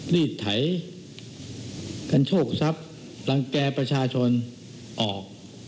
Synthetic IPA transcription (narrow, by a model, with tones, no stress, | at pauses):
liː˥˩t̪ʰːa˩˦j | ka˧nt͡ɕʰoː˥˩k̚sa˦˥p̚ | la˧ŋkɛː˧pɾa˧t͡ɕʰaː˧t͡ɕʰo˧n | ʔɔː˨˩k̚